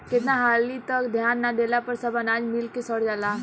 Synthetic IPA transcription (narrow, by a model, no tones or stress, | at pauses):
kɪt̪naɦaːlːit̪əkd̪ʱjaːnːad̪eːlapəɾsəbənaːd͡ʒmɪlkesəɽd͡ʒaːlaː